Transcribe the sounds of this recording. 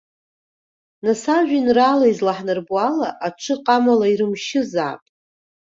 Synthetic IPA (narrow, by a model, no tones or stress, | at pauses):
nasaʒᶣinralejzlaħnɨrbwalaʔaʈ͡ʂʰɨqʼamalaiɾɨmʃɪza̰ːpʼ